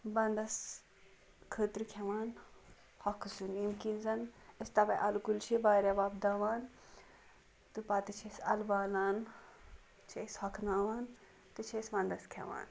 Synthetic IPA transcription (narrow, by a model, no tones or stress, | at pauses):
bɐnd̪ɐs | kʰəːt̪ɾikʲʰɛʋaːn | hɔkʰsunimkinzɐnest̪ɐbɐʔɐlkult͡ʃʰibaːɾʲɐʋaːbd̪aːʋaːn | t̪ɨpɐt̪ɨt͡ʃʰesɐlbaːlaːn | t͡ʃʰeshɔkʰnaːʋaːn | t̪ɨt͡ʃʰesʋɐnd̪ɐskʰɛ̰ʋa̰ːn